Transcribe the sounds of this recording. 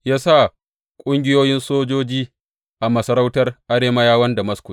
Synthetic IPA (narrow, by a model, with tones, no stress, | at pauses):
jaː˦sa˦˨ | kʷʼʊ˦ŋɡʲɪ˦joː˦jɪ˦nsoː˦d͡ʒoː˦d͡ʒiː˦ | ʔa˨mɐ˨sɐ˨ɾa˦wtɐ˦rʔa˦ɽeː˦ma˦jaː˦wɐ˦nda˨mɐ˦skʷʊ˨